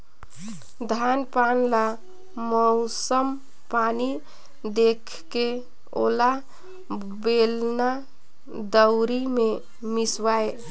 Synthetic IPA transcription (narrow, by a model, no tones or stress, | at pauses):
d̪ʱanpanla | mɔʊsəm | pani | d̪ekʰke | o̰ːla | belna | d̪əʊɾimẽ | mɪswae